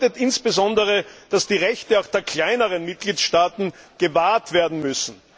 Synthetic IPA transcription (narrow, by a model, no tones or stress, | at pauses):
tətɪnsb̥əzɔndəʁəd̥asd̥iːʁɛçtəaʊxd̥eːɐkʰl̥aɪnəʁənmɪt̚ɡ̥liːtʃtaːtn̩ɡ̥əvaːɐtv̥eːɐdn̩mʏsn̩